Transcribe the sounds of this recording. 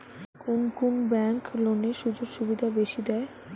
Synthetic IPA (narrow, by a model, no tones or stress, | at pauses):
kunkunbɛŋkloneʃud͡ʑoɾʃubid̪ʱabeʃid̪ɛe